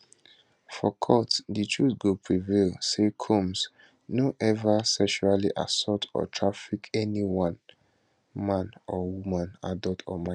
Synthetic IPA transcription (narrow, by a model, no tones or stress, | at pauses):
fɔkʰɔtditʰɹusɡopʰɹivelsekʰõms | noʔɛvasɛkʃuɹaliʔa̰sɔtʰɔ̰tʰɹafikɛniwãn | mãnɔwumãnadaltʰɔ̰mã